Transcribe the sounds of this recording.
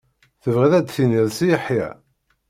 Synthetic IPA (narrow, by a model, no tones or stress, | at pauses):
θəvʁæðæd̪θiniðsijəħjæ̰